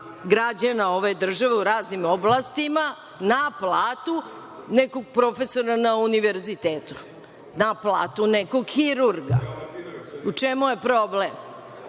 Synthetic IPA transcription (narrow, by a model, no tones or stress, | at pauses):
ɡɾad͡ʑanao̞ʋed̪r̩ʒaʋeuɾaːznimoblˠast̪ima | naplaːt̪u | nekoɡ̚pɾo̞fesoɾanauniʋeɾzit̪eːt̪u̥ | naplˠa̰ːt̪unekoɡxiɾuɾɡa̰ | ut͡ʂemujepɾoblem